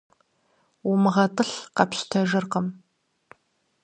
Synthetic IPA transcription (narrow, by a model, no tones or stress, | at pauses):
umɨʁɐtʼɨɬqɐpɕtʰɐʒɨrqəm